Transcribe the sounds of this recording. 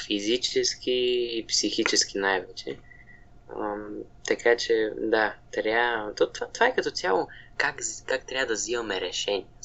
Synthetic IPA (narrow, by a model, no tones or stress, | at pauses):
fizit͡ʃɛskʰiːpsixit͡ʃɛsk̟inajvɛt͡ʃɛ̰ | mt̪ɐkʰat͡ʃɛd̪at̪ɾʲat̪ot̪vat̪vaɛkɐt̪ɔt̪ʲjalˠokakzkakt̪ɾʲavəd̪ɐzimɐmɛɾɛʃɛnʲiɛ